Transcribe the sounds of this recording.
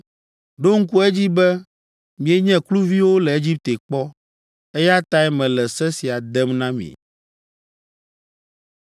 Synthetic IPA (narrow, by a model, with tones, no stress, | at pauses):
ɖo˦ŋ̩˦ku˦e˦d͡ʑi˦bɛ˦ | mĩ˨e˦ɲɛ̃˦klu˦vi˦wo˦lɛ˨e˦d͡ʑi˦p̚t̪e˨k͡pɔ˦ | e˦ja˦t̪a˦ɛ˦mɛ̃˨lɛ˨sɛ˦si˨a˨d̪ɛ˦mnã˦mḭ̃˨